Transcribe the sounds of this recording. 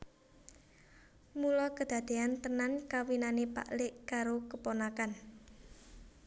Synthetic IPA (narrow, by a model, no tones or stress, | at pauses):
mulɔkəd̪̥ä̤d̪̥e̤ant̪ənankawinanepa̰ʔlɪʔkaɾokəponakan